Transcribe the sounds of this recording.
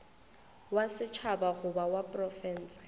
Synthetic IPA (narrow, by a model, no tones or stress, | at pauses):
wasɪt͡ʃʰabaɣʊbawapʼrɔfɛːn̩t͡sḁ